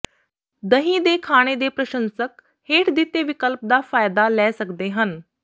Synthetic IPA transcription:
d̪əɦĩd̪ekʰaːɽ̃ed̪epɾəʃənsək | heːʈʰd̪it̪eʋikəlp̚d̪afaːjd̪alɛːsəkd̪eɦən

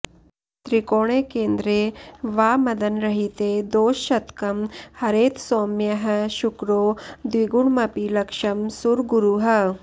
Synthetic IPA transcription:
t̪ɾikoːɽ̃eːkeːnd̪ɾeːʋaːmɐd̪ɐnɾɐɦit̪ed̪oːʃːɐt̪kɐmhɐɾeːt̪soːmjɐɦɐ̆ʃukɾoːd̪ʋiɡuɳmɐpilɐkʂɐmsuɾɡuɾuɦɐ̆

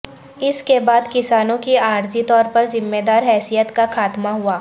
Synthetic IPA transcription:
ɪskebaːd̪kɪsaːnõkiaːɾd͡ʒit̪ɔːɾpɐɾzɪmːed̪aːɾɦɛːsijət̪kaxaːt̪maɦuaː

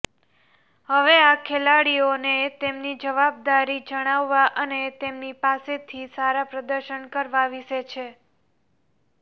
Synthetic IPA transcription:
həʋeakʰelaɽionet̪emnid͡ʒəʋab̚d̪aɾid͡ʒəɽ̃aʋːaʔənet̪emnipaset̪ʰisaɾapɾəd̪əɾʃəɳkəɾʋaʋɪʃet͡ʃʰe

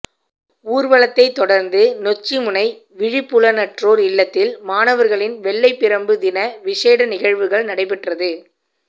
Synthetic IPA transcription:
uːɾʋɐɭɐt̪ːɐɪt̪ːɔɽɐɾnd̪ɯnɔt͡ʃːimʊnɐɪ | ʋɪɻɪpːʊɭɐnɐʈroːɾɪɭːɐt̪ːɪlmaːnɐʋɐɾɣɐɭɪnʋɛɭːɐɪpːɪɾɐmbɯd̪ɪnɐʋɪʂeːɽɐnɪɣɐɻʋɯɣɐɭnɐɽɐɪpːɛʈrɐðɯ

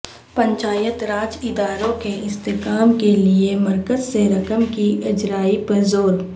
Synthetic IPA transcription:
pə̃ɲt͡ʃaːjət̪ɾaːd͡ʒɪd̪aːɾõkeʔɪst̪eːkaːmkelieməɾkəzseɾɐkəmkiʔɪd͡ʒɾaːipəɾzoːɾ

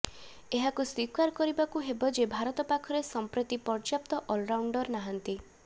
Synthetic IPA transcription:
eɦakuswikaɾkɔɾibakuɦebɔd͡ʒebʱaɾɔt̪ɔpakʰɔɾesɔmpɾɔt̪ipɔɾd͡ʒap̚t̪ɔʔɔlɾawɳɖɔɾnaɦant̪i

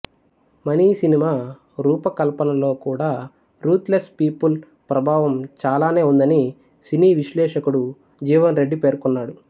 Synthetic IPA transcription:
mɐniːsinimaː | ɾuːpɐkɐlpɐnɐlo̞ːkuːɽaː | ɾuːt̪lespiːpul | pɾɐbʱaːʋɐmt͡ʃaːlaːne̞ːund̪ɐni | siniːʋiʃlɛːʂɐkuɽu | d͡ʒiːʋɐnɾeɖːipe̞ːɾkunːaːɽu

